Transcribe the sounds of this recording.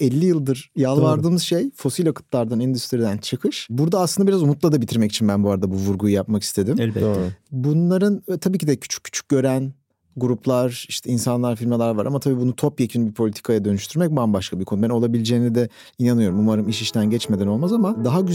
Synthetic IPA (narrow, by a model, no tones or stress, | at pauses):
ɛlʲːijɯlˠd̪ɯɾjalˠvaɾd̪ɯːmɯz̥ʃejfo̞silʲakʰɯ̥t̪lˠaɾd̪anɛnd̪yst̪ʰiɾid̪ænt͡ʃʰɯkʰɯʃbuɾd̪aaːslˠɯnd̪aiɾazumut̪lˠad̪abit̪ʰiɾmɛcit͡ʃʰinbænbuaɾad̪abuvuɾɡujjapmaki̥st̪ʰe̞d̪imɛlbobunlˠaɾɯnt̪ʰabiːcʰid̪ɛcʰy̥t͡ʃʰy̥c̚ʰːy̥t͡ʃʰy̥c̚ɟø̞ɾæn | ɡuɾupʰlˠaɾiʃt̪ʰɛinsanlˠaɾfiɾmalʲæɾvaɾamat̪ʰabiːbunut̪ʰo̞pjecʰynbipʰo̞lʲit̪ʰi̥kʰajad̪ø̞nyʃt̪ʰyɾmɛc̚bambaʃkʰabikʰo̞nubæno̞lˠabilʲid͡ʒeːnid̪ɛ | inanɯjo̞ɾumumaɾɯmiʃiʃt̪ʰænɟɛt͡ʃmed̪æno̞lˠmazamad̪aɦaɟyz